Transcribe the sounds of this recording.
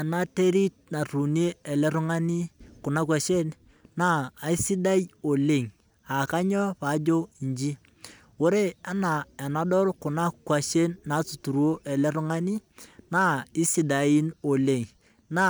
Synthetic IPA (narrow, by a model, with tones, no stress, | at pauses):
a˨na˦te˦ɾi˦t̚na˨ru˨ni˦e˦ɛ˨lɛ˦ɾʊ˦ŋa˦ni˦kʊ˨na˦k̬wa˨ʃe˦n | naː˦˨i˦si˦da˦jo˨le˨ŋ | a˨ka˦ɲɔ˦pa˨˦d͡ʒo˦i˨nd͡ʒi˦ | wo˦ɾe˦a˦na˨ɛ˨na˦dɔ˦ɾkʊ˨na˦kwa˨ʃe˦nːa˨˦t͡su˨tu˨ɾwo˦ʔɛ˨lɛ˦ɾʊ˦ŋa˦ni˦na˦i˦si˨da˨i˦no˨le˨ŋ | na˦